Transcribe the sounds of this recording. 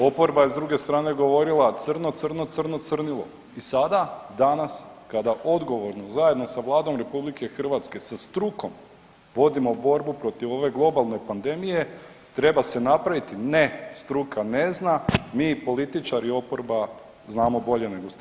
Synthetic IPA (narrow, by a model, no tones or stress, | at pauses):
o̞po̞ɾbaje̞zd̪ɾuɡe̞st̪ɾaːne̞ɡo̞ʋo̞ɾilˠat̪sɨrno̞t̪sɨr̩not̪sɨr̩no̞t̪sɨr̩nilˠo̰ | isad̪ad̪anaskad̪aʔo̞d̪ɡo̞ʋo̞ɾnozaje̞d̪no̞saʋlˠaːd̪o̞mɾe̞publike̞xr̩ʋat̪ske̞sast̪ɾuko̞m | ʋo̞d̪imo̞bo̞ɾbupɾo̞t̪iʋo̞ʋe̞ɡlˠo̞balˠno̞jpand̪e̞mije̞ | t̪ɾe̞base̞napɾaʋit̪ine̞st̪ɾukʰane̞znamiːpo̞lit̪it͡ʃaɾio̞po̞ɾba | znaːmo̞bo̞ʎe̞ne̞ɡos